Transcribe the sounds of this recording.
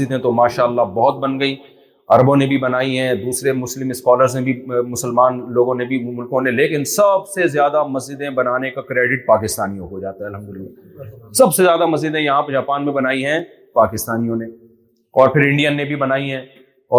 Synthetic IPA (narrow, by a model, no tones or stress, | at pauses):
d͡ʒɪd̪ɦɛ̃t̪omaːʃaəlːabɔɦʊt̪̚bɐnɡɐiː | ɐɾbõnebʱibɐnaːiɦɛ̃d̪uːsɾemʊslɪmɪskɔːləɾzmẽbʱimʊsəlmaːnloːɡõnebʱimʊlkõneleːkɪnsɐbsezjaːd̪amɐzd͡ʒɪd̪ẽbɐnaːnekakɾeːɖɪʈ̚paːkɪst̪aːnijõɦod͡ʒaːt̪aɦɛɐlɦɐ̃md̪ʊlɪlːa̰ː | sɐbsezjaːd̪amɐs̬d͡ʒɪd̪ɦẽjɐɦãpɐd͡ʒaːpaːnmẽbɐnaːiɦɛ̃ | paːkɪst̪aːnijõne | ɔːɾpʰɪɾɪ̃ɳɖijənːẽbʱibɐnaːiɦɛ̃ː | ɔː